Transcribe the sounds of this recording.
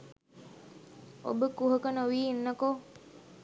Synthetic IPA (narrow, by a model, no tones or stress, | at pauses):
o̰bəkuɦəkənoʋiːinːəko